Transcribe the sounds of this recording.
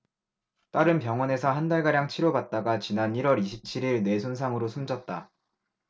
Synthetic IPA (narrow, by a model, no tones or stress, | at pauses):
t͈aɾɯnpjʌŋwʌne̞sʰʌɦandaɭɡaɾjaŋt͡ɕʰiɾobat̚t͈aɡat͡ɕinaniɾwʌɾiɕʰip̚t͡ɕʰiɾiɭne̞sʰons̬ʰaŋɯɾosʰumd͡ʑʌt̚t͈a